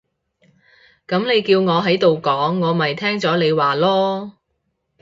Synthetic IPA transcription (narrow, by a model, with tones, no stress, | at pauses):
kɐ˨˥mne˨˧jkiː˧wŋɔː˨˧ɦɐ˨˥jt̪o˨wkɔː˨˥ŋːɔː˨˧mɐ˨jt̪ʰɛː˥ŋt͡sɔː˨˥le˨˧jwaː˨lɔː˥